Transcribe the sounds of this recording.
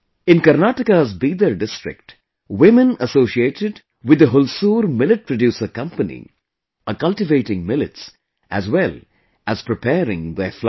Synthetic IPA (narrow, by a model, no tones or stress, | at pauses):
ɪ̃nkəɾnaʈɪkazbiːd̪əɾɖɪstɾɪ̰k̚ʈ | wɪmə̃nəsoːʃieːʈɪɖ | wɪd̪əɦʊlsuːɾmɪlɪʈ̚pɾəɖjuːsəkʌ̃mpənḭ | əkʌlʈɪʋeɪʈɪ̃ŋmɪlɪts | ʔæzwɛl | ʔæz̥pɾɪpʰɛːɾɪ̰̃ŋðefl